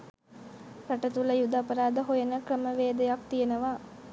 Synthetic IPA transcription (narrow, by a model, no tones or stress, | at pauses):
ɾaʈət̪uləjud̪aːpəɾaːd̪əɦojənəkrəməʋeːd̪ɐjak̚t̪ijənəʋaː